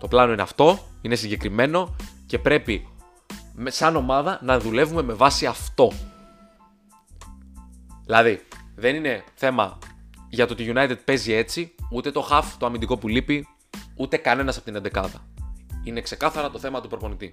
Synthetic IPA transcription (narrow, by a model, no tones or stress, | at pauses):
t̪o̞plɐno̞ineɐft̪o̞ine̞siɲɟe̞kɾime̞no̞ce̞pɾe̞pi | msɐno̞mɐðɐnɐðule̞vume̞me̞vɐsiɐft̪o̞ | ðilɐðiðe̞nine̞θe̞mɐʝɐt̪ot̪iʝunɐjt̪ed̪̚pe̞zie̞t͡siut̪e̞t̪o̞xɐft̪oɐmind̪iko̞pulipi | ut̪e̞kɐne̞nɐsɐpot̪inend̪e̞kɐðɐine̞kse̞kɐθɐɾɐt̪o̞θe̞mɐt̪upɾo̞po̞nit̪i